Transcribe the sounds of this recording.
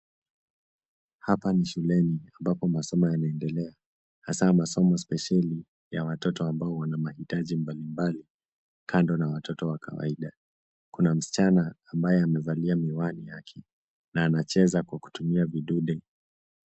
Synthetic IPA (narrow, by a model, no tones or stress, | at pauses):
hapaniʃulɛniambapɔmasɔmɔjanaɛndɛlɛa | hasamasɔmɔspɛʃali | jawatɔtɔambaɔwanamahitaʄimbalimbali | kʰandɔnawatʰɔtɔwakʰa̰wa̰iɗa | kunam̩si̥t͡ʃanaːmbajɛamɛvaliamiwanijakʰɛ | naːnat͡ʃɛzakwaku̥tumiaviɗuɗɛ